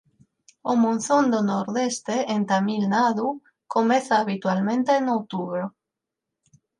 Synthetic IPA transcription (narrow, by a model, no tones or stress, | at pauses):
omõn̟θõnd̪onoɾðest̪eent̪amilnaðu | komeθaːβit̪walmẽnt̪eːnowt̪uβɾo